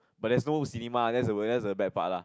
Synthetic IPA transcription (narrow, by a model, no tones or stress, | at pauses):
bat̚dɛs̬nosinimadɛtsəwədɛtsəbɛt̚pa̰ʔ̚la